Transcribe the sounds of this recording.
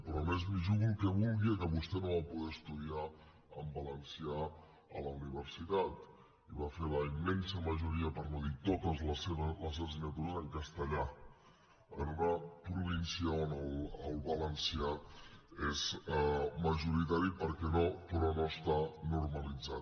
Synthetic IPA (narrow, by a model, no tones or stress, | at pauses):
pɾɔmezmiʒuɣulˠkəβulˠɣiekəβust̪ɛnoβapuðɛəst̪uðia | əmbələnsia | ələuniβ̞əɾsit̪at̪ | iβafeləimːensəməʒuɾiəpəɾmoðit̪ot̪əzləseβələseəsiɣnət̪uɾəzəŋkəst̪əʎa | ənunəpɾuβinsiəonəlˠəlˠβələnsia | ez | məʒuɾit̪aɾipəɾkɛnopɾɔnoəst̪anuɾməlid͡zat̪